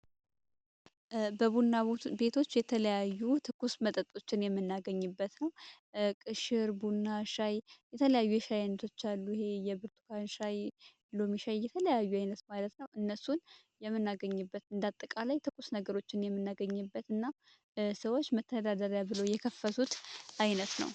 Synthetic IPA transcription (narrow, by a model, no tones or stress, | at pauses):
bəβunːabe̞t̪ʰo̞t͡ʃːjɛt̪ʰələjajːut̪ʰɨkʼːusmət̪ʼət̪ʼo̞t͡ʃːɪnjɛmːɨnːaɡəɲːɨbːət̪nəw | kʼɨʃɪɾbunːaʃajjɛt̪ʰələjajːujɛʃajanːət̪ʰo̞t͡ʃːalːuɪhe̞jɛbɨɾt̪ʰu̥kʰanʃaj | lomiʃajːɛt̪ʰələjajːuajnət̪malət̪nəwʔɨnːəsun | jɛmːɨnːaɡəɲːɨbːət̪ɨnd̪at̪ʼːəkʼalajt̪ʰɨkʼːusnəɡəɾo̞t͡ʃːɪnjɛmːɨnːaɡəɲːɨbːət̪ɨnːa | səwo̞t͡ʃːmət̪ʰːəd̪ad̪əɾjabɨlojɛkʰəfːəsut̪ʔajnət̪nə̰w